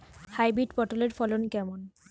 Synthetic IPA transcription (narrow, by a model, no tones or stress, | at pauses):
hajbidpɔʈoleɹfʰɔlonkɛmɔn